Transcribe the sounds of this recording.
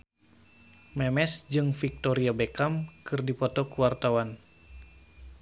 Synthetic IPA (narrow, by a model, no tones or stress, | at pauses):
mɛmɛsd͡ʒɨŋfik̚t̪oɾiabekamkɨrdipɔt̪ɔkuwart̪awan